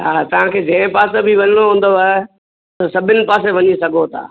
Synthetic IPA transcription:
ɦaːt̪ɐʋ̤ãkʰeːd͡ʑɐ̃ɪ̃paːsabɪʋɐɲəɽ̃oɦũːn̆d̪oaːɦe | t̪ɐsɐbʱɪnɪ̆paːs̬eʋɐɲisɐɡʱot̪ʰa̰ː

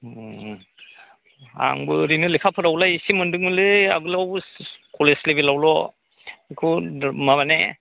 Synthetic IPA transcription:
a̰ŋbɯɾinɯlikʰapʰɯɾawlajsimɯndɯŋmɯlɯa̰ɡɯlawkɔleslebelawlɔ | kʰumaβane

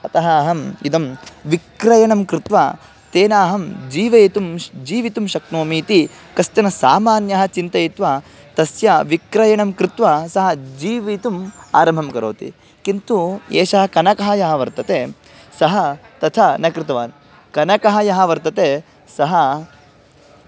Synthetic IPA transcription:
ɐt̪ɐɦɐːɦɐmit̪ɐmʋikɾɐjɐɳɐmkɾɪt̪ʋa | t̪eːnaːɦɐmd͡ʒiːʋɐjt̪umd͡ʒiːʋit̪umʃɐknoːmiːt̪i | kɐst̪ɐnɐsaːmaːnjɐɦɐ̆t͡ʃint̪ɐjit̪ʋa | t̪ɐsjɐʋikɾɐjɐɳɐmkɾɪt̪ʋɐsɐɦɐd͡ʒiːʋit̪uma̰ːɾɐmbʱɐmkɐɾo̰ːt̪ḭ | kint̪uḛːʃɐɦɐkɐnɐkɐɦɐjɐɦɐʋɐɾt̪ɐt̪eː | sɐɦɐt̪ɐt̪ʰɐnɐkɾɪt̪ɐʋaːn | kɐnɐkɐɦɐjɐɦɐʋɐɾt̪ɐt̪eː | sɐɦɐ

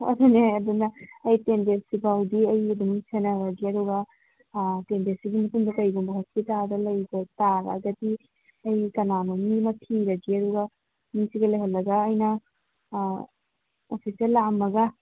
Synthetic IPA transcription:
ɐ̰duneɐdunɐːjtendesibʱawdiɐjɐdumsenɐɾɐɡiɐɾuɡɐ | tenbesiɡimɐtundɐkɐjɡumbɐɦasitadɐlɐjbɐtaɾa̰ɡɐti | ɐjkɐnanumimɐtʰiɾɐɡiɐɾuɡɐ | misiɡɐlɐjɦɐlːɐɡɐːjnɐ | opʰiseɾlamːɐɡɐ

